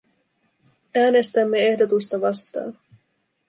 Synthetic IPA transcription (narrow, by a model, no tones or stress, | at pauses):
æːne̞st̪æmːe̞e̞hdo̞t̪ust̪ɑʋɑst̪ɑ̰ːn